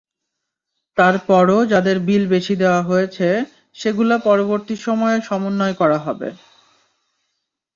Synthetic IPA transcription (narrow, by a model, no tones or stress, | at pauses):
t̪aɾpɔɾod͡ʑad̪eɾbilbeʃʰid̪eoaɦojet͡ɕʰe | ʃeɡulapɔɾoboɾt̪iʃɔmɔeʃɔmonːɔekɔɾaɦɔbḛ